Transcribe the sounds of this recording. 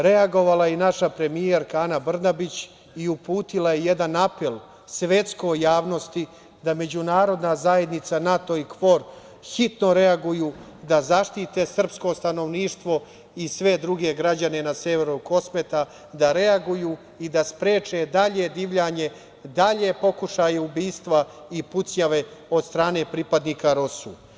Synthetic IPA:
ɾe̞aɡo̞ʋalˠainaʃapɾe̞mijeɾkaanabr̩nabit͡ɕ | iupuːt̪ilajejed̪anapelˠ | sʋe̞t̪sko̞jjːaːʋno̞st̪i | d̪ame̞d͡ʑunaːɾo̞d̪nazaje̞d̪nit̪sanat̪o̞ikʋo̞ɾ | xit̪no̞ɾe̞aɡujuː | d̪azaʃt̪it̪esr̩psko̞st̪ano̞ʋniːʃt̪ʋo̞ | isʋe̞d̪ɾuɡe̞ɡɾad͡ʑane̞naseʋeɾuko̞sme̞t̪a | d̪aɾe̞aɡujuː | id̪aspɾeːt͡ʃe̞d̪aʎe̞d̪iːʋʎaɲe̞ | d̪aʎe̞po̞kuʃajeubiːst̪ʋa | iput̪sɲaʋe̞o̞d̪st̪ɾaːne̞pɾipad̪niːkaɾosṵ

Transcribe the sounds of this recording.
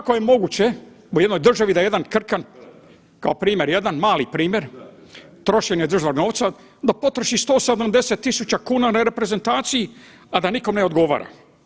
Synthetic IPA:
ako̞jemo̞ɡut͡ɕe̞ | uje̞d̪no̞jd̪r̩ʒaʋid̪ajed̪ankr̩kan | kaopɾiːmje̞ɾje̞d̪anmaːlipɾiːmje̞ɾ | t̪ɾo̞ʃeɲed̪r̩ʒʋano̞ːʋt̪sa | d̪apo̞t̪ɾoʃist̪o̞ːsed̪amd̪e̞set̪ːisut͡ɕakuːnanaɾe̞pɾe̞ze̞nt̪aːt̪siji | ad̪aniko̞mneod̪ɡo̞ʋa̰ːɾʔa̰

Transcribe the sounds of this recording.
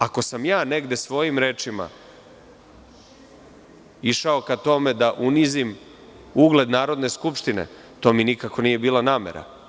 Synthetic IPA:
ako̞samjaːne̞ɡd̪e̞sʋo̞ːjimɾe̞ːt͡ʃima̰ | iʃao̞kat̪o̞me̞d̪aʔunizim | uɡle̞d̪naːɾo̞d̪ne̞skupʃt̪inḛ | t̪o̞ːminikako̞niːje̞biːlˠanaːme̞̰ɾa̰

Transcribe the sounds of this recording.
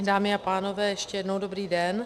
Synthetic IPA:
daːmɪapaːno̞vɛːjɛʃcɛjɛdnowdobɾiːdɛn

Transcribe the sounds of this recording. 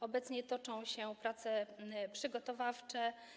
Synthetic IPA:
ɔbɛt̪sɲɛt̪ɔt͡ʂɔ̃w̃ɕɛpɾat̪sɛpʂɘɡɔt̪ɔvaft͡ʂɛ

